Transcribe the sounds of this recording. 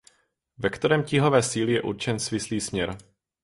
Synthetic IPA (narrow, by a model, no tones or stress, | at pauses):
vɛkt̪ɛɾɛːmcɪɦo̞vɛːsiːlɪjɛʔṵɾt͡ʃɛnsvɪsliːsmɲɛɾ